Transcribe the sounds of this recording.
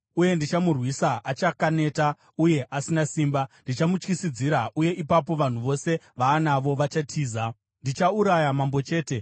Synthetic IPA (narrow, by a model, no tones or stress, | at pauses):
uje̞ndit͡ʃamurwisaʔat͡ʃakane̞ːta | uje̞ʔasinasiːmbandit͡ʃamut͡ʃkisid͡ziɾaʔuje̞ʔipap̬o̞ʋan̤uʋo̞se̞ | ʋaːnaʋo̞ʋat͡ʃatʰiːza | ndit͡ʃauɾajamambo̞t͡ʃe̞ːte̞